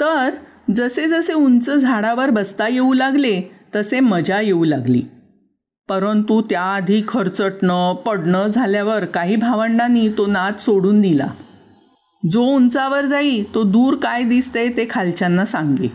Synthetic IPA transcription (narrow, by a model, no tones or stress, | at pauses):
t̪əɾ | d͡zəsed͡zəseunt͡səd͡zʱaɽaʋəɾbəst̪ajeulaɡlet̪əseməd͡ʑʱajeulaɡlḭː | pəɾənt̪ut̪jaːd̪ʱiːkʰːəɾt͡səʈɳəpəɽɳəd͡zʱaljaʋəɾkaɦiːbʱaʋəɳɖaniːt̪onat̪soɽuːnd̪ila̰ | d͡zount͡saʋəɾd͡zaiːt̪od̪uːɾkajd̪ist̪et̪ekʰalt͡ɕanːasãŋɡḛ